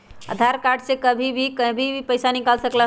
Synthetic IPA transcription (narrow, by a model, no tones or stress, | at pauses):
ə̰d̪ʱaɾkaɾɖsekəbʱibʱikəbʱibʱipəjsanikalsəkla